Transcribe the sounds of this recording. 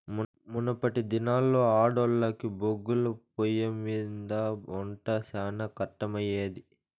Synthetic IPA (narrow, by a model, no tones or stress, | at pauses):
munɐpːɐʈid̪inaːlːo̞ːaːɖɔlːɐkiboɡːulɐpojɐmiːnd̪ɐɔɳʈɐsaːnɐkɐʈːɐmɐjeːd̪i